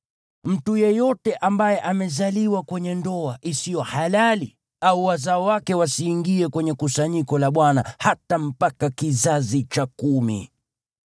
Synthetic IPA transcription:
m̩tujɛjɔtɛʔambajɛʔamɛzaliwakwɛɲɛndɔaʔisijɔhalali | auwazaɔwakɛwasiːŋɡiɛkwɛɲɛkusaɲikɔlaɓwanahatam̩pakakizazit͡ʃakumḭ

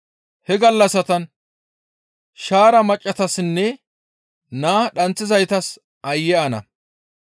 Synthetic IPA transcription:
hɛɡɐlːɐsɐt̪ɐn | ʃaːɾɐmɐt͡ʃʼːɐt̪ɐsnːɛ | naːɗɐnt͡sːɪzɐjt̪ɐs | ʔɐjːɛʔɐnɐ̰

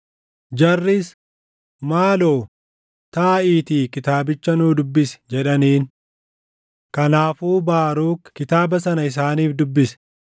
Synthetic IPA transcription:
d͡ʒɐrːɪs | maːloː | t̪aːiːt̪iːkɪt̪aːbɪt͡ʃːɐnuːd̪ʊbːɪsɛ̥d͡ʒɛᶑɐniːn | kɐnaːfuːbaːɾuːkkɪt̪aːbɐsɐnɐɪs̬aːniːfd̪ʊbːɪsɛ̥

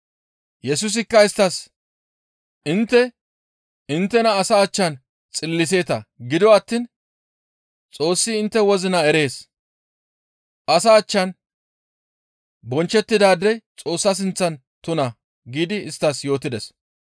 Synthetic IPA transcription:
jɛsʊs̬ɪkːɐɪst̪ːɐs | ɪnt̪ːɛ | ɪnt̪ːɛnɐːsaːt͡ʃːɐn | t͡sʼɪlːɪs̬e̞ːt̪ɐɡɪd̪wɔɐt̪ːin | t͡sʼo̞ːsːɪːnt̪ːɛwɔzɪnɐɛɾe̞ːs | ʔɐsaːt͡ʃːɐn | bɔnt͡ʃːɛt̪ːɪd̪aːd̪ɛjt͡sʼo̞ːsːɐs̬ɪnt͡sːɐn | t̪ʊnɐ | ɡiːd̪ɪɪst̪ːɐsjo̞ːt̪ːɪd̪ɛs

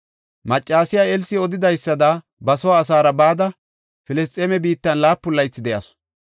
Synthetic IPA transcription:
mɐt͡ʃʼːaːsɪjaɛlsɪɔd̪ɪd̪ɐjsːɐd̪ɐ | bɐsɔwaːs̬aːɾɐbaːd̪ɐ | fɪlɛs̬t̪ʼeːmɛbiːt̪ːɐnlaːpːʊlːɐjt͡sːɪd̪ɛjɐ̰s

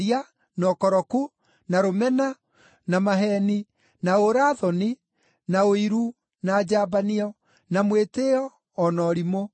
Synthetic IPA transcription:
ia | nɔkɔɾɔku | naɾomɛna | namaɦɛni | naoɾaːðɔni | naoiɾu | naːd͡ʑaːbaniɔ | namweteɔː | nɔɾimo

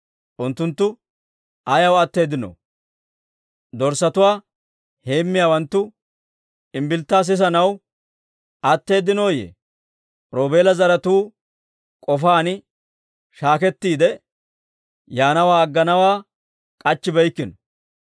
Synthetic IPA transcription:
ʔʊnt̪ːʊnt̪ːʊ | ɐjɐwɐt̪ːe̞ːd̪ɪnɔ̰ | d̪ɔɾsɐt̪ʊwaː | he̞ːmːɪjaːwɐnt̪ːʊ | ɪmbɪlt̪ːaːs̬ɪs̬ɐnɐw | ɐt̪ːe̞ːd̪ɪno̞ːjḛː | ɾoːbe̞ːlɐzɐɾɐt̪uː | kʼɔfaːnɪ | ʃaːkɛt̪ːiːd̪ɛ | jaːnɐwaːɐɡːɐnɐwaː | kʼɐt͡ʃːɪbɛjkːɪnɔ̥

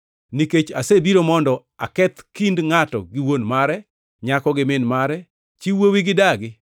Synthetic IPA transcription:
niket͡ʃasebiɾomɔndɔ | a̰kɛt̪kindŋatɔ̰ɡɪwonmaɾɛ | ɲakɔɡɪmɪnmaɾɛ | t͡ʃiwowiɡɪdaɡɪ

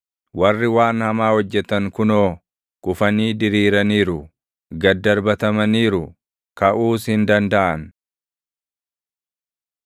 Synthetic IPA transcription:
wɐrːɪwaːnhɐmaːhɔd͡ʒːɛt̪ɐŋkʊnoː | kʼʊfɐniːd̪ɪɾiːɾɐniːɾʊ | ɡɐd̪ːɐɾbɐt̪ɐmɐniːɾʊ | kɐʔuːshɪnd̪ɐnd̪ɐʔɐn

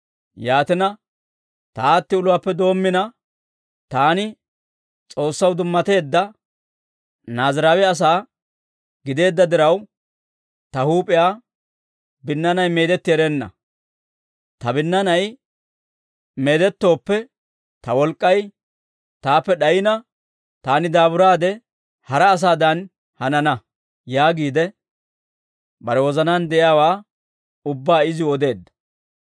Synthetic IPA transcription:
jaːt̪ɪnɐ | t̪ɐaːt̪ːɪʊlʊwaːpːɛd̪o̞ːmːɪnɐ | t̪aːnɪ | t͡sʼo̞ːsːɐwd̪ʊmːɐt̪e̞ːd̪ːɐ | naːzɾaːwɛɐs̬aː | ɡɪd̪e̞ːd̪ːɐd̪ɪɾɐw | t̪ɐhuːpʼɪjaː | bɪnːɐnɐjme̞ːd̪ɛt̪ːɪɛɾeːnːɐ̰ | t̪ɐbɪnːɐnɐj | meːd̪ɛt̪ːo̞ːpːɛ | t̪ɐwɔlkʼːɐj | t̪aːpːɛɗɐjɪnɐ | t̪aːnɪd̪aːbʊɾaːd̪ɛ | hɐɾɐːs̬aːd̪ɐn | hɐnɐnɐ | jaːɡiːd̪ɛ | bɐɾɛwɔzɐnand̪ɛʔɪjaːwaː | ʊbːaːɪzɪɔd̪e̞ːd̪ːɐ̥

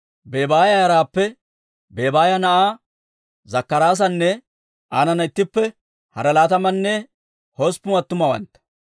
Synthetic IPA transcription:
beːbaːjɐjɐɾaːpːɛ | be̞ːbaːjɐnɐʔaː | zɐkːɐɾaːs̬ɐnːɛ | aːnɐnɐɪt̪ːɪpːɛ | hɐ̰ɾɐlaːt̪ɐmɐnːɛ | hospːʊɐt̪ːʊmɐwɐ̰nt̪ːɐ̥

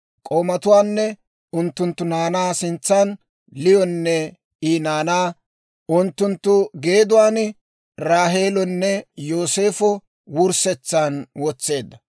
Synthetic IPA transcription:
kʼo̞ːmɐt̪ʊwaːnːɛ | ʊnt̪ːʊnt̪ːʊnaːnaːsɪnt͡sːan | lɪjɔnːɛ | iːnaːnaː | ʊnt̪ːʊnt̪ːʊɡe̞ːd̪ʊwaːn | ɾaːɦe̞ːlɔnːɛjo̞ːse̞ːfɔ | wʊɾsɛt͡sːaːnwɔt͡sːe̞ːd̪ːɐ

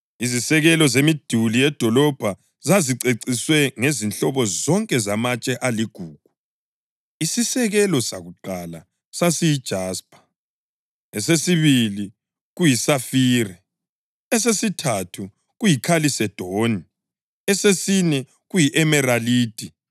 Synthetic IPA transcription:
izisɛɣɛlɔzemid̥ʱulijɛd̥ʱɔlɔb̥ʱa | zaziǀeǀiswɛŋezinɬɔβɔzɔŋkʼɛzamat͡ʃʼɛʔaliɡ̥ʱuːɡ̥ʱu̥ | isisɛɣɛlɔsaɣuǃala | sasijid̥ʒ̥ʱaːspʰʼḁ | ɛsesiβili | ɣujisafiːrɛ | ɛs̬esitʰatʰu | ɣujikʰalisɛd̥ʱoni | ɛsesinɛ | ɣujiʔɛmɛɾaliːd̥ʱʼi

